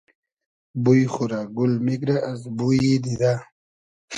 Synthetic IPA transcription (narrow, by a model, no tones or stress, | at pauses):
bujxuɾaɡulmikɾaʔazbujid̪id̪a